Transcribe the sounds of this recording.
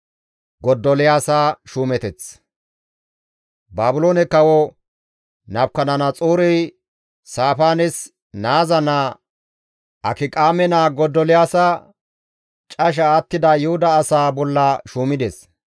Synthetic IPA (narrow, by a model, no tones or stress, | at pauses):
ɡɔd̪ːɔlɪjaːsaːʃuːmɛt̪ɛt͡s | baːbʊloːnɛkɐwɔ | nɐbkːɐnɐnɐt͡sʼuːɾɛj | saːfaːnɪs | naːzɐna | ʔɐkɪkʼaːmɛnaːɡɔd̪ːɔlɪjaːsɐ | t͡ʃʼɐʃ̬ɐːt̪ːɪd̪ɐjʊhʊd̪ɐːsaːbɔlːɐʃuːmɪd̪ɛs